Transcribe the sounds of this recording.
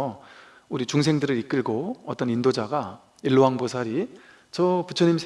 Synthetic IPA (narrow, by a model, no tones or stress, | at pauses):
ʌ | uɾit͡ɕuŋs̬ʰe̞ŋdɯɾɯɾik͈ɯɭɡoʌt͈ʌnindod͡ʑaɡa | iɭːoɦaŋbosʰaɾi | t͡ɕʌput͡ɕʰʌɲimsʰ